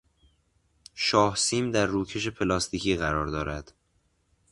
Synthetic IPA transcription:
ʃɒːhsiːmd̪æɾːuːcʰe̞ʃe̞pʰelɒːst̪ʰiːciːɣæɾɒːɾd̪ɒːɾæd̪̥

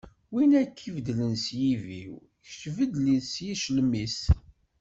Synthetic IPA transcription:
winækʰːivd̪lənsjivḭw | çʃvəd̪liðsjiʃlmis

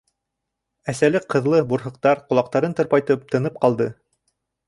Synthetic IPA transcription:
æsælɘqʰːɤ̆ðlˠɤbuɾɦɤ̆q̚t̪ɑɾqŏlˠɑq̚t̪ɑɾɤnt̪ɤ̆ɾpɑjt̪ɤp̚t̪ɤ̆nɤp̚qɑlˠd̪ɤ

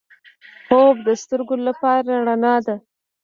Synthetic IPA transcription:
xobd̪əst̪əɾɡolapɑɾaɽanɑd̪a

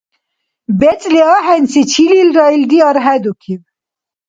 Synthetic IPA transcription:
bɛt͡sʼliɑɦɛnsit͡ʃʰililɾɑild̪iɑɾɦɛd̪ukʰib

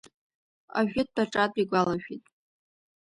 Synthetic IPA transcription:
a̰ʒᶣɪt̚ʰʼb̥aʈ͡ʂʼatʼiɡʷalaʒᶣitʼ

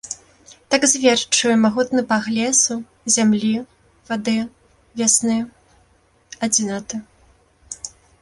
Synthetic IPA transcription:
t̪aɡzʲvʲɛrt͡ʂujɛmaɣut̪nɨpaɣlʲɛsu | zʲamlʲi | vad̪ɨ | vʲasnɨ | ɐd͡zʲinat̪ɨ

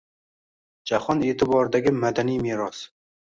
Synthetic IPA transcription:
d͡ʒaχɒneːt̪ɪbɒɾd̪aɡʲɪmad̪anijmeɾɒs

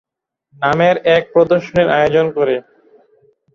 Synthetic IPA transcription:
nameɾɛk̚pɾod̪oɾʃoneɾajod͡ʑonkoɾe

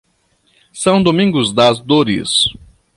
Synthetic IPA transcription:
sɐ̃w̃d̪omĩŋɡʊzd̪ɐzd̪oɾɪ̰s

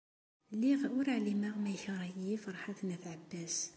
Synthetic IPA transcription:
liʁʔʊɾʕlimaʁmæjçɾˤɑjifɾˤħaθnæθʕabːæs

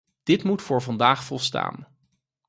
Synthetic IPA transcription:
d̥ɪtmutfʊːɹvɑndaːχfɔlˠsta̰ːn

